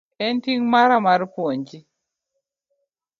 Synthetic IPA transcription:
ɛntiŋmaɾamaɾpwoɲd͡ʒi

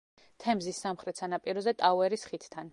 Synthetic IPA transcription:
t̪ʰɛmzisːamχɾɛt̪sanapʼiɾɔzɛt̪ʼawɛɾisχit̪ʰt̪ʰːan

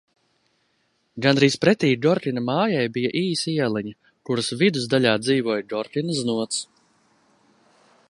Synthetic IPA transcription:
ɡanɾiːspɾɛt̪ʲiːd̪ɔɾt̪ʲinamaːjajbijaʔiːsiiɛlˠɛɲa | kuɾusvid̪uzd̪aʎʲaːd̪ziːvuɔːjd̪ɔɾt̪ʲinaznuɔt̪s

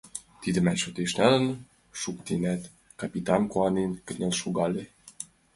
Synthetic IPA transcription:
t̪id̪əmɛʃøt̪eʃnælə̆n | ʃukt̪inɛt̪ | kɑpit̪ɑnkoɑninkə̆nʲelʃuɡɑle

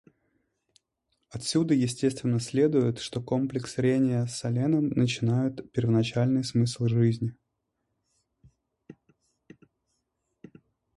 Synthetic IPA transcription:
ɐt̪sʲud̪əjɪsʲtʲe̞st̪vʲɪnːəsʲlʲe̞d̪ʊjɪt̪ʂt̪o̞ko̞mplʲɪksɾʲenʲɪjəsɐlʲenəmnət͡ɕɪnajʊt̪pʲɪrvənɐt͡ɕælʲnɨjsmɨslˠʐɨzʲnʲɪ

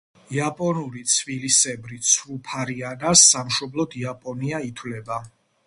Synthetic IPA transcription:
iapʼɔnuɾit̪sʰvilisɛbɾit̪sʰɾupʰaɾianasːamʃɔblˠɔd̪iapʼɔniait̪ʰwlɛba

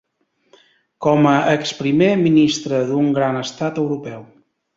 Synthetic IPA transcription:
kɔməʔəkspɾimeminist̪ɾəðuŋɡɾanəst̪at̪əwɾupɛw

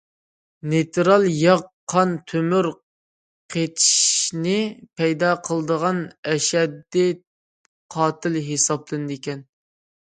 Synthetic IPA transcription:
net̪ʰɾɑlˠjɑʁqʰːɑnt̪ʰømyɾ | qʰet̪ʰi̥ʃnɪpʰɛjd̪ɑːqʰəlˠd̪əʁɑnɛʃɛd̪ːit̪̚ | qʰɑːt̪ʰɪlɦesɑplˠɨnɨd̪ikʲɛn

